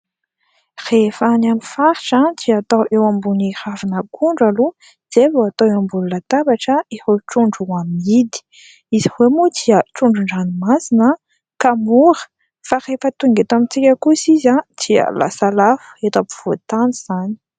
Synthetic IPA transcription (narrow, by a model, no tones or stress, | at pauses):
refanamifaɾiʈ͡ʂand̪iat̪owʔewambunihavinəkʰuɳɖ͡ʐalu | z̥evoat̪oewambulunət̪abaʈ͡ʂəehoʈ͡ʂuɳɖ͡ʐuamid̪i̥ | izihwemud̪iəʈ͡ʂuɳɖ͡ʐuɳɖ͡ʐanimasinə | kamuɾə̥ | farefət̪uŋɡet̪amint͡sikʲəkusizad̪̥iə̰la̰salafu̥et̪apu̥v̥ot̪aniz̥ani